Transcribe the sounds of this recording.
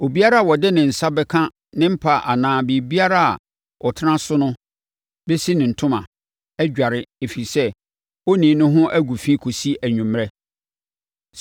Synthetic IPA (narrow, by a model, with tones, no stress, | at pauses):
o˨bi˦a˦ɾa˦a˨wɔ˨dɪ˦nɪ̃˨n̩˨sa˦bɛ˦kʰã˦ | nɪ̃˦m̩˦pʰa˨ʔa˨nãː˨bi˨bi˦a˦ɾa˦a̰˨ | ʔɔ˨tʰɪ˦nã˦sʊ˦nʊ̃˦ | be˦si˦nɪ̃˨n̩˨tʰʊ̃˦mã̰˨ | ɛ˦d͡ʑᶣa˨ɾɪ˦e˨fi˨ɾi˨sɛ˦ | wo˦nĩː˨˦nʊ̃˦ɦʊ̃˦ʔæ˦ɡu˨fĩ˦kʰo˨si˦æ˨ɲᶣũ˨m˨ɾɛ˦